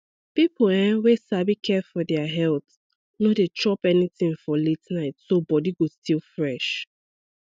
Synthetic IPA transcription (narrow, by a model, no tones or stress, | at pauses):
pipl̩ɛ̃wesabikʰɛfɔdɛaɦɛlˠθ | nodet͡ʃɔpɛniθĩŋfɔletnaɪtsobɔdiɡostʰilˠfɹɛʃ